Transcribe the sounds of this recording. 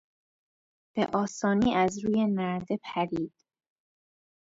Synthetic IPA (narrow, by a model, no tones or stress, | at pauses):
b̥ḛʔɒːsɒːniːʔæzɾuːje̞næɾd̪e̞pʰæɾiːd̪̥